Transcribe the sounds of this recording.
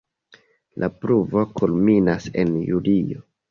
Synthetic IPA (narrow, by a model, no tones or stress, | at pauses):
lʔapɾuvo̞kʰulminasḛnjulio̰